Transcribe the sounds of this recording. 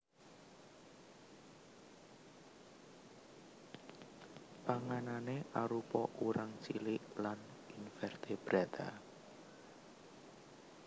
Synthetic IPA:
paŋananeʔaɾupɔʔuɾʔaŋt͡ʃilɪʔlaninfɛrt̪eb̥ɾat̪a

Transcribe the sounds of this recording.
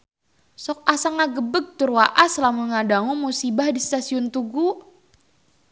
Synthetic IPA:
sɔk̚asaŋaɡəbəɡ̚t̪urwaʔaslamuŋadaŋumusibahdist̪asiʊnt̪uɡu

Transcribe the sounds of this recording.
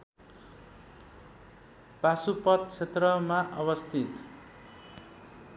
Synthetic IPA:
pasupʌt̪̚t͡sʰet̪rʌmaʔʌβʌst̪ʰit̪

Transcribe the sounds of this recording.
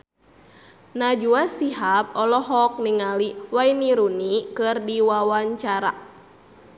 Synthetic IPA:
nad͡ʒuasiɦap̚ɔlɔɦɔk̚niŋaliwainiɾunikɨrdiwawaɲt͡ʃaɾa̰

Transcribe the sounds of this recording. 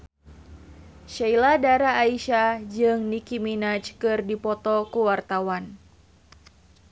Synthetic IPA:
ʃailadaɾaːiʃad͡ʒɨŋnikiminat͡ʃkɨrdipɔt̪ɔkuwart̪awan

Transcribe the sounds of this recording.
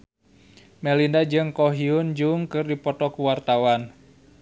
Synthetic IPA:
mɛlindad͡ʒɨŋkɔɦiund͡ʒuŋkɨrdipɔt̪ɔkuwart̪awan

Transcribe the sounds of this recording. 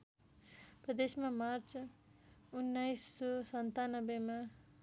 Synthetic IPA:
prʌd̪esmamaɾt͡s | unːajsːɔsʌnt̪anʌbema

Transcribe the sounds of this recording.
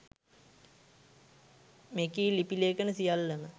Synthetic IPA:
mekiːlipileːkənəsijalːəmə

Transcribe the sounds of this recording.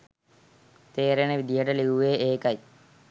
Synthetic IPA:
t̪eːɾeneʋid̪ijəʈəliʋuʋeːʔeːkɐj

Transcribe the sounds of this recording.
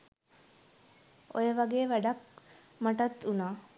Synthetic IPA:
o̰jəʋɐɡeːʋæɖɐk | maʈɐt̪ːunaː

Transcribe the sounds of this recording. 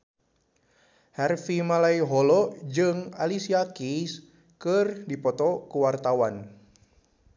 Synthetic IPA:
hɛrfimalaiɦɔlɔd͡ʒɨŋalisiakis | kɨrdipɔt̪ɔkuwart̪awan

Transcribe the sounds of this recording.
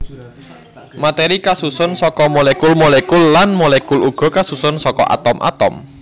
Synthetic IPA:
mat̪eɾikasusʊnsɔkɔmolekulmolekulːanmolekuluɡ̥ɔ̤kasusʊnsɔkɔ̰ʔa̰t̪ɔmʔa̰t̪ɔm

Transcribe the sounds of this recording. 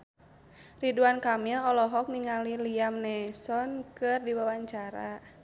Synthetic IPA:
riduankamilɔlɔɦɔk̚niŋaliliamnɛsɔnkɨrdiwawaɲt͡ʃaɾa

